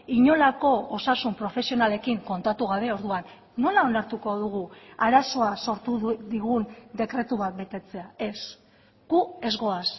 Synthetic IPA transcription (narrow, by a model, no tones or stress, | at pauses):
iɲo̞lako̞osasumpɾo̞fe̞sio̞nale̞kiŋko̞nt̪at̪uɣaβe̞o̞ɾðuanː | o̞lao̞naɾt̪uko̞ðuɣ̞uaɾaso̞aso̞ɾt̪uðiɣund̪e̞kɾe̞t̪uβat̪̚be̞t̪e̞t͡se̞ae̞s | ɡ̥ue̞zɣo̞as